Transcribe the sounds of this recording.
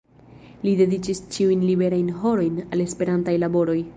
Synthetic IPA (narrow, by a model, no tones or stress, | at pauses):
lide̞dit͡ʃist͡ʃiujnlibe̞ɾajnɦo̞ɾo̞jnale̞spe̞ɾantajlabo̞ɾo̞j